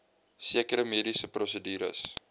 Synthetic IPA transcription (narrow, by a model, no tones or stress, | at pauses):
siəkəɾəmiːdisəprɔsədiːɾə̰s